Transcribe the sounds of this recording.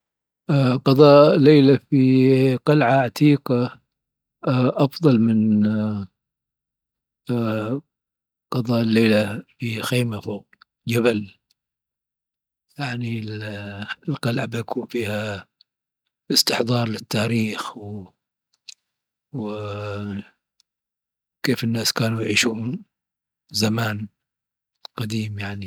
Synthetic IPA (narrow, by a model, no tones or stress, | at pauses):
qɑðˤɑːʔlːeːlafiqɑlʕaʕat̪iːqɑ | ʔɑfðˤɑlmɪn | qɑðˤɑːʔɪlːeːlafixeːmafoːq̚ | d͡ʒabal | jaʕni | lqɑlʕabakwfiːha | ʔɪst̪ɪħd̪ˤɑːɾˤlɪt̪ːaːɾiːxw | w | keːfɪnːaːskaːnujʕiːʃuːn | zamaːn | qɑd̪iːmjaʕni